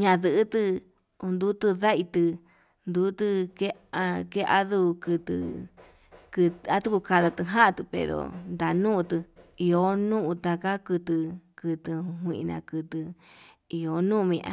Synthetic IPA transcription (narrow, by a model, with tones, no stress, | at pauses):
ɲã˧ðɨ˧ʔːt̪ɨ˧ | u˧nd̪u˦t̪ɨ˧ða˦ʔi˧t̪ɨ˧ | nd̪u˧˦t̪ɨ˧ke˦a˧ke˦˧ʔa̰˦ðu˦˧kɨ˧t̪ɨ̰˧ | kɨ˧t̪a˦t̪u˦ku˧ka˧ða˧t̪ɨ˧ɦã˦ʔt̪ɨ˧pḛ˨ɾo̰˨nd̪a˨nũː˦˧t̪ɨ˧i˧o˦nũ˦ʔũ˧t̪a˧ka˦kɨ˧t̪ɨ˧kɨ˧t̪ɨ˧ɦwʷĩ˧ʔi˧nã̰˧kɨ˧t̪ɨ˧ | i˧o˨nũː˦˧mĩ˧ʔã̰˧